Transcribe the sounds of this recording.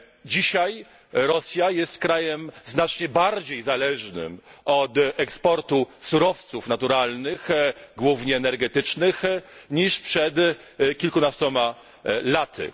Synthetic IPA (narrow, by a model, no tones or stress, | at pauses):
d͡ʑiɕaj | ɾɔsʲjajɛst̪kɾajɛmznat͡ʂɲɛbaɾd͡ʑejzalɛʐnɘ̰mɔt̪ɛkspɔɾt̪usuɾɔft̪sufnat̪uɾalnɘxɡwuvɲɛːnɛɾɡɛt̪ɘt͡ʂnɘxɲiʂpʂɛt̪kʲilkunast̪ɔma | lat̪ʰɘ̰